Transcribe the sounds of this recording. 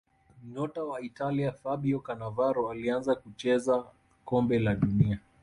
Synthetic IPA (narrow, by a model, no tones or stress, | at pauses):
m̩ɲɔtawaitaliafaɓiɔkanavaɾɔalianzakut͡ʃɛza | kɔmbɛlaɗunia